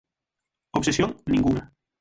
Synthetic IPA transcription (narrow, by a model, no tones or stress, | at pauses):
oβsesjoŋnĩŋɡuŋa